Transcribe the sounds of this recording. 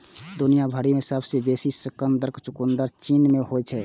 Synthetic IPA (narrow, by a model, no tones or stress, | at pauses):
d̪unijabʱəɾimẽsəbʱsebesisəkənd̪əɾkt͡ʃʊkund̪əɾt͡ʃinmehoɛt͡ʃʰɛ